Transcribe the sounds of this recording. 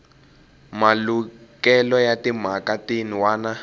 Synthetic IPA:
malukɛlɔjatim̤akatiniwaːna

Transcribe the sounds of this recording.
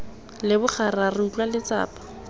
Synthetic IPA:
lɪbʊχararɪut͡ɬwalɪt͡sa̰ːpḁ

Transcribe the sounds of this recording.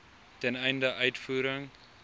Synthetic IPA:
tɛnɛjndəʔœɥtfuːɾəŋ

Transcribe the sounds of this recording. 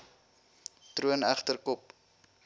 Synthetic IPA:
truənæχtərkɔp̚

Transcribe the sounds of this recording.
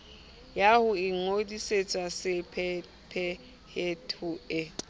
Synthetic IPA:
jahʊiŋodiset͡sʼasɪpʰ | pʰɛ | hetʰʊɪ

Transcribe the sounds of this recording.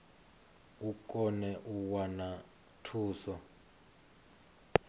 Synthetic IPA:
ukʼɔnɛʔuwana | tʰuːsɔ

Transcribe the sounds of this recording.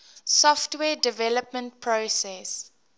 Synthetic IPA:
sɔftwɛːdɪvɛləpmə̃nt̚pʰɹosɛs

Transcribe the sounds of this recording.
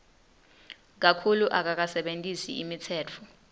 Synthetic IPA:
k̬akʰuluʔak̬ak̬asɛɓentʼisḭimitʰɛːt͡fʰɔ

